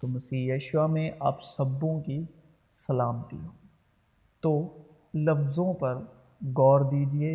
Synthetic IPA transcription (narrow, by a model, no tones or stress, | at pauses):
t̪omɐsiːjɐːʃʊʋamẽʔa̰ːpsɐbːõki | sɐlaːmt̪ḭɦõː | t̪oː | lɐfzõpɐɾ | ɡɔːɾd̪iːd͡ʒieː